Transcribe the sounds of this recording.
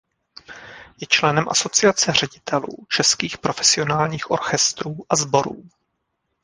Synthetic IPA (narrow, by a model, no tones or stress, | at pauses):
jɛt͡ʃlɛnɛmʔa̰so̞t͡sɪat͡sɛr̝ɛɟɪt̪ʰɛlṵːt͡ʃɛskiːxpɾo̞fɛsɪo̞naːlɲiːxʔo̞̰ɾxɛst̪ɾuːʔazbo̞ɾṵː